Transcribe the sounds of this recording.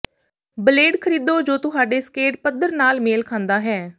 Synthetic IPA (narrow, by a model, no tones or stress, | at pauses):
bəleːɖkʰəɾiːd̪oːd͡ʒoːt̪ʊɦaːɖeːskeːʈpəd̪əɾnaːlmeːlkʰãːnd̪aːɦɛː